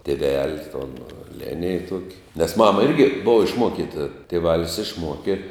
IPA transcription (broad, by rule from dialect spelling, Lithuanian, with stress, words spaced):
tʲeːˈʋʲɛlʲ toːn ˈlʲæːnʲɪj ˈtuɔkʲɪ nʲɛs ˈmɑːmɐ ˈɪrʲɡʲɪ ˈboːʋɐ ɪʃˈmuɔkʲɪtɐ tʲeːˈʋɑːlʲɪs ɪʃˈmuɔkʲɪ